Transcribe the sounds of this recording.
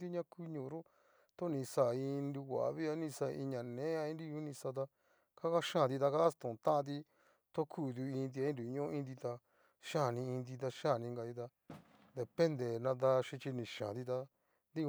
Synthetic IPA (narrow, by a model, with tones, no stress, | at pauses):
d̪i˦ɲã˦ku˦ɲũ˨˧ɾo˦ | t̪o˦nĩ˧sa˨ĩ˧nɾi˧wʷa̰˨βi˦a˧˦nĩ˧sa˧˨˧i˧ɲã˨nẽ˨˦a˧ĩ˧nɾi˦ju˦nĩ˧sa˧t̪̬a˧ | ka˦ka˦ʃãː˦˨t̪i˧t̪a˧ka˦st̪ũ˨t̪ã˦ʔã˧t̪̬i˧ | t̪o˦kʰuː˦˨d̪u˧ĩ˧nd̪̬i˧a˧˦ĩ˦nɾu˨˧ɲõ˦ĩ˧nd̪i˧t̪a˧ | ʃã˦˨nĩ˧ĩ˧nd̪̬i˧t̪̬a˧ʃã˦˨nĩ˧ŋɡa˨i˧t̪a˧ | d̪e˨pe˦nd̪e˨nã˧d̪a˧ʃĩ˧t͡ʃi˧nĩ˨ʃã̰˨t̪i˧t̪a˧ | nd̪i˦˧